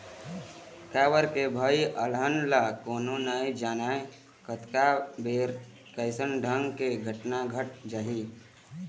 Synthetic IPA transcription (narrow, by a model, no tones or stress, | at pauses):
kaːʋəɾkebʱəiʔələnlakoːnonaːĩd͡ʒaːnaːe | kət̪kabeːɾ | kəɪsənɖʱəŋɡkeɡʱəʈnaɡʱəʈ̚d͡ʒaːɦi